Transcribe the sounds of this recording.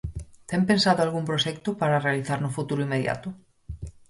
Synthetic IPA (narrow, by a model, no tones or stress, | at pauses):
t̪empensaðoalɣumpɾoʃɛkt̪ʊpaɾarealiθaɾnofut̪uɾoimeðja̰t̪ʊ